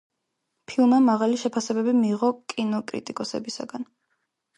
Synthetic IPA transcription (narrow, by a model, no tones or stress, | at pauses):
pʰilˠmɛmaʁaliʃɛpʰasɛbɛbimiːʁɔkʼinɔkʼɾḭt̪ʼikʼɔsɛ̰bisa̰ɡan